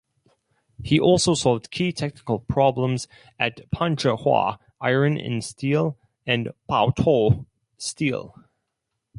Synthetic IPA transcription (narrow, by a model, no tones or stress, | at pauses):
hiʔɔlˠsoʊsɔlˠvd̥kʰitʰɛk̚nɪ̥kəl̩ˠpʰɹ̥ɑblə̃mz | ʔɨtpʰʌ̃nt͡ʃəhwɑ̰ | ʔaɪɹɨ̃nɪ̰̃nstʰilˠ | ɨ̃npʰa̰ʊtʰɔ | stilˠ